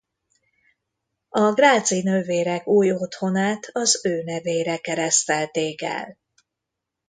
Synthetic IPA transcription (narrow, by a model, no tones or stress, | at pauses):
ɒɡraːd̪zinøːveːɾɛkuːjo̞t̪ho̞naːt̪ʰɒzøːnɛveːɾɛkɛɾɛst̪ɛlt̪eːkɛ̰l